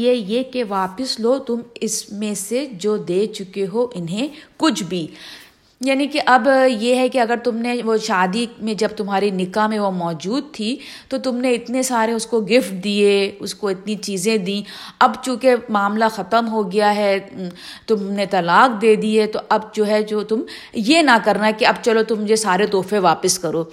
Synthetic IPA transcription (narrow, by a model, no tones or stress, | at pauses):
ejekeʋaːpəsloːt̪ʊmɪsmẽsed͡ʒoːd̪eːt͡ʃʊkeɦoʔɪnɦẽkʊt͡ʃʰbʱiː | jaːnikeʔɐbjeɦɛkeɐɡəɾt̪ʊmneʋoʃaːd̪imẽd͡ʒɐb̚t̪ʊmɦaːɾinɪkamẽʋomɔːd͡ʒuːd̪̚t̪ʰi | t̪ot̪ʊmneɪt̪nesaːɾẽʊskoɡɪfʈ̚d̪ieʊskoɪt̪nit͡ʃiːzẽd̪ĩɐbt͡ʃũːkemaːmlaxɐt̪əmɦoɡɐjaɦɛːt̪ʊmnet̪ɐlaːk̚d̪eːd̪iɦɛt̪oʔɐb̚d͡ʒoːɦɛd͡ʒoːt̪ʊm | jenɐkɐɾnaɦɛkeɐbt͡ʃɐlot̪ʊmːʊd͡ʒʱesaːɾet̪ɔːfẽʋaːpəskɐɾoː